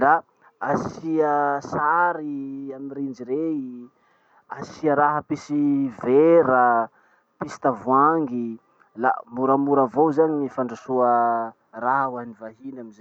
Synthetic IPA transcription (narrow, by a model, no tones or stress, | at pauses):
la | asiəsaɾiamiɾind͡ʒiɾei | asiəɾaɦəpisiveɾa | pisi̥t̪avuaŋɡi | la̰muɾəmuɾəvowzaɲinifaɳɖ͡ʐasuə | raɦwanivaɦinamize